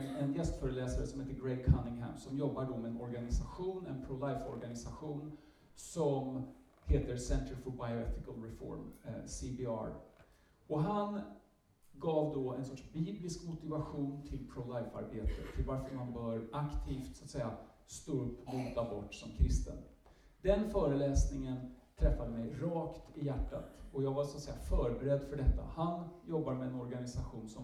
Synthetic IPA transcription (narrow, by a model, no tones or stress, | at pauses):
ɛnjɛst̪fœːɾəlɛːsaɾəsɔmheːt̪əɡɾɛjkʰanɪŋɦæ̰msɔmjɔbːaɖɔmɛɛnɔɾɡanɪsaɧuːnɛ̰npʰɾolajfɔɾɡanɪsaɧuːn | sɔm | heːt̪əɾsɛnt̪əɾfɔbajʊɛt̪ɪkalɾɛfɔ̰ɾmsibɪɑ̰ɾ | ɔɦan | ɡɑːvd̪ɔɛnsɔʈʂbiːblɪskmʊt̪ɪvaɧuːnt̪ʰɪlpʰɾɔlajfa̰ɾbeːt̪ʰə̰t̪ʰːɪlvaɾfəɾmanbœːɾʔakt̪ʰiːft̪sat̪sɛjːa | st̪oːɵpːmuːt̪abɔʈːsɔmkʰɾɪst̪ə̰n | d̪ɛnfœːɾəlɛːsnɪŋənt̪ʰɾɛfːad̪əmɛjɾɑːkt̪ɪjæʈːa̰t̪ɔjɑːɡvaɾsat̪sɛjːafœːɾbɛɾɛd̪ːfœɖɛt̪ːa̰hanjɔbːaɾmɛɛnɔɾɡanɪsaɧuːnsɔ